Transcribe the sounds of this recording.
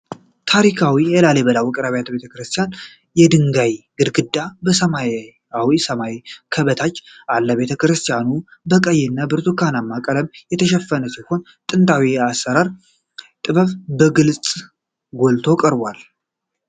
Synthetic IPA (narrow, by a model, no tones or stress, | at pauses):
t̪ʰaɾikʰawijɛlaleβəlawɔkʼɨɾaβjat̪be̞t̪ʰəkɾɨst̪ʰijan | jɛd̪ɨŋɡajɡɨd̪ɡɨd̪ːabəsəma | awisəmajkʰəβət̪ʰat͡ʃːalːəβe̞t̪ʰəkɾɨst̪ʰijanubəkʼəjːɛnːabɨɾt̪ʰukʰanamːakʼələmjɛt̪ʰəʃɛfːənəsiho̞n | t̪ʼɨnt̪ʼawiasːəɾaɾ | t̪ʼɨβəβbəɡɨlt͡sʼ | ɡolt̪ʰo̞kʼəɾbʷal